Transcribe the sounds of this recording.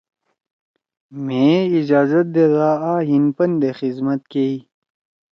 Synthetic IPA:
mẽid͡ʑaːzɐt̪̚d̪eðaːaːɦinpɐnd̪exizmɐt̪̚kei

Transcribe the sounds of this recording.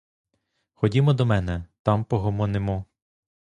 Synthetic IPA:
xɔdʲimɔd̪ɔmɛnɛt̪ɑmpɔɦɔmɔnemʊ

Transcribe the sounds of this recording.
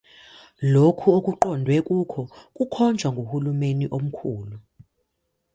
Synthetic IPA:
lokʰuokʼuǃɔndʱwɛkʼukʰɔkʼukʰɔnd͡ʒʱwaŋɡʱohulumeniʔom̩kʰuːlu

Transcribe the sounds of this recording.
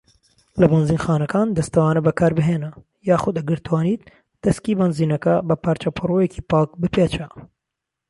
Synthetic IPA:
lɐbɐnziːnxaːnɐkaːnd̪ɐst̪ʰɐwaːnɐbɐkʰaːɾbɨɦeːnɐ | jaːxʊd̪ɐɡɨɾt̪waːniːt̪̚ | d̪̥ɐskiːbɐnziːnɐkɐbɐpʰaːɾt͡ʃɐpʰɨrojeciːpaːk̚bɨpeːt͡ʃɐ

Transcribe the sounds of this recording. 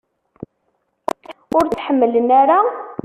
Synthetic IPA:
ʊɾt͡sːħəmːələnaɾa

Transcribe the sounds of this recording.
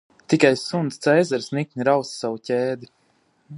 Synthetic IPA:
t̪ikajsunst̪sɛjzɛɾsnik̚ʲnʲiɾawssawucʲɛːd̪i

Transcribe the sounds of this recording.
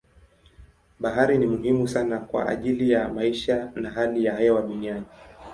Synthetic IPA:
ɓaɦaɾinimuɦimusanakwa̰ʔa̰ʄilijamaiʃanaɦalijaɦajɔwaɗuniani

